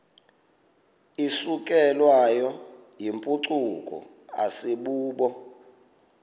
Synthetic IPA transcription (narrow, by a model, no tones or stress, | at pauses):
isukʼɛlwajɔ | jimpʼuǀukʼɔ̰ | aseɓuːɓɔ